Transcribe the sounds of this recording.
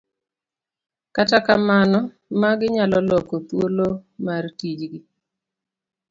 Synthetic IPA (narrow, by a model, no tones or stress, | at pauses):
katakamanɔ | maɡɪɲalɔlɔkot̪wolomartid͡ʒɡɪ